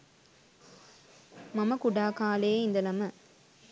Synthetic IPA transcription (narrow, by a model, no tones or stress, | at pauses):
mɐmɐkʊɽaːkaːleːɪnd̪ɐlɐmɐ